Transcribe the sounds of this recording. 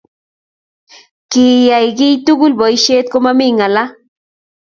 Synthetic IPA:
kijajɡijt̪uɡʊlboiʃeːt̪̚komamiŋala

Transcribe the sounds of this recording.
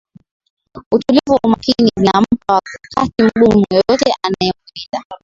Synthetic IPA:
utulivuwaumakinivinam̩pawakatim̩ɠummujɔjɔtɛʔanajɛukida

